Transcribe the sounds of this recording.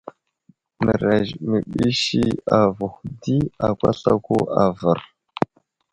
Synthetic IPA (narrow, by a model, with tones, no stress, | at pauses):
mə˨ɾa˨ʒmə˨ɓi˦ʃi˦a˨vu˨xdi˦a˨kʷa̰˦ɬa˦ko˦a˨və˨ɾ